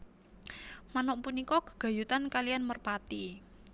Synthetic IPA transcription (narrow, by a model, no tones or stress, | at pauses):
manɔʔpunikɔkə̥ɡ̥a̤jut̪ankalijanmərpat̪i